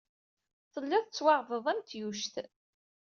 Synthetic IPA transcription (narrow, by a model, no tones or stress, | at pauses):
θəlːɪðˤt͡sːwɑʁvəðˤæmt̪juʃt̪